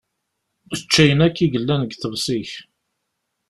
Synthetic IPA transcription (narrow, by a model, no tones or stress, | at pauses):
uθət͡ʃːæjənækːiʝəlːænəɡθəvsiç